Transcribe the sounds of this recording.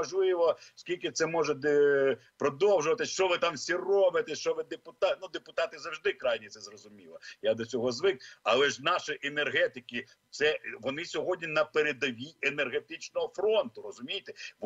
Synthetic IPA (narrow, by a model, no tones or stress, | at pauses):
ɔʒlˠɪʋɔskʲilʲkɪt̪sɛmɔʒɛd̪pɾɔd̪ɔwʒʊʋɐt̪ɪʃt͡ʃɔʋɪt̪ɑmsʲirɔbɪt̪ɛʃt͡ʃɔʋɪd̪epʊt̪ɑnud̪epʊt̪ɑt̪ɪzɐwʒd̪ɪkɾɑjnʲit̪sɛzrɔzʊmʲilˠɐjad̪ɔt͡sʲɔɦɔzʋɪk̚ɐlˠɛʒnɑʃɪʔenerɦɛt̪ɪkɪ | t̪sɛʋɔnɪsʲɔɦɔdʲnʲinɐpeɾed̪ɐʋʲienerɦet̪ɪt͡ʃnɔɦɔfɾɔnt̪ʊrɔzʊmʲijt̪ɛʋ